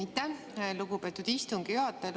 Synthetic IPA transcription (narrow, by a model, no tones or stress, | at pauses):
it̪ːe | luɡupe̞ːt̪ud̪̥ist̪uŋɡ̥iyɦɑt̪ːˑel